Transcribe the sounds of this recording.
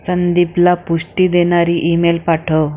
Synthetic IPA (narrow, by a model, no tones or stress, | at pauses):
sənd̪iplapuʂʈid̪enaɾiʔiːmelpaʈʰo